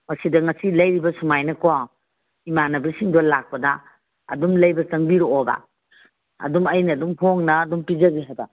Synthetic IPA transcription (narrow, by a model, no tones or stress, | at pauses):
mɐsidɐŋɐsilɐjɾibɐsumajnɐko | imanɐbɾisiŋdolak̚pɐdɐ | ɐ̰dumlɐjbɐsɐŋbiɾoːbɐ̰ | ɐ̰dumɐjnɐduŋpʰoŋnɐːdumpizɐɡiɦabɐ̰